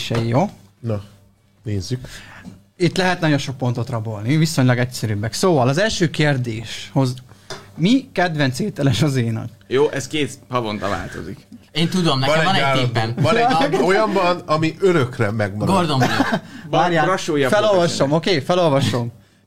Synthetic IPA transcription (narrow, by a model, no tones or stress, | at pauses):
ʃɛjoː | nɒ | neːzːyk | it̪lɛɦɛt̪nɒɟo̞nʃo̞k̚po̞nt̪o̞t̪rɒbolniviso̞ɲlɒɡɛcsɛɾybːɛksoːvɒlɒzɛlʃøːkeːrd̪eːʃho̞zmikɛd̪ʋɛnt̪seːt̪ɛlɛʃɒzeːjnɒ̰kjoːʔɛskeːt̪pɒvont̪ɒva̰ːlt̪o̞̰zikeːnt̪ud̪omnɛɒnɛnɛaːlbɛnvɒɛojɒmvɒnɒmiʔøɾøkrɛmɛɡmɒɡord̪o | aɾjaɒʃoːjfɛlolvɒʃo̞mokeːfɛlo̞lvɒʃo̞m